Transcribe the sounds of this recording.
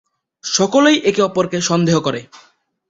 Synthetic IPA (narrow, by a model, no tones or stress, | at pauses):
ʃɔkolejʔekiɔpoɾkeʃɔnd̪eɦokɔɾe